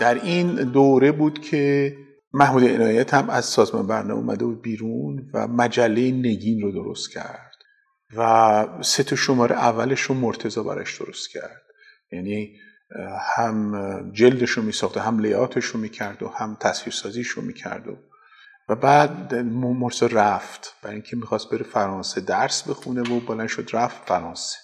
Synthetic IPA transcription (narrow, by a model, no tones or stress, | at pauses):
d̪̥æɾind̪oːɾe̞buːd̪̥cʰe | mæhmuːd̪eenɒːjæt̪ʰhæmæz̥sɒːzmɒ̰nbæɾnɛ̰ṵːmʔæ̰d̪ebuːd̪̚biːɾunvæ̰mæd͡ʒælːejene̞ɟiːnrod̪o̞ɾo̞̰st̪cʲʰæ̰ɾd̪̥ | væset̪ʰɒʃo̞mɒːɾʔeʔævːæle̞ʃɾomoɾt̪ʰe̞zɒːbæ̰ɾɒ̰ʃd̪̥o̞ɾost̪cʲʰæ̰ɾd̪̥ | jæni | hæmd͡ʒe̞ld̪eʃomiːsɒxt̪eɦæmlejɒːt̪ʰe̞ʃomiːcʰæɾd̪ohæmt̪ʰæsviːɾsɒːziʃomḭːcʰæ̰ɾd̪o̰ | væbæːd̪momoɾseɾæft̪b̥æɾiŋcʰe̞mixɒːst̪̚be̞ɾefæɾɒːnsed̪æɾsbe̞xunevobolænd̪ʃod̪ɾæft̪fæɾɒːnse̥